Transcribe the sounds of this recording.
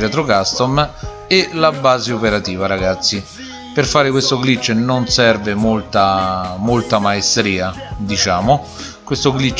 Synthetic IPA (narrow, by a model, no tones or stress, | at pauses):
ɛt̪ɾokast̪ɔm | elabaːzeopeɾat̪iːvaɾaɡat̪sːi | pɪrfaːɾɪkwest̪oɡlit͡ʃːnonsɛrvɪmolt̪amolt̪amaest̪ɾiːad̪it͡ʃaːmʊ | kwest̪oɡlit͡ʃː